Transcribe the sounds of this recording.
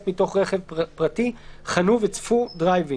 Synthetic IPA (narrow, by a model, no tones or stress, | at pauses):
tmito̞χʁe̞χevpʁatiχanuvet͡sfudʁajvi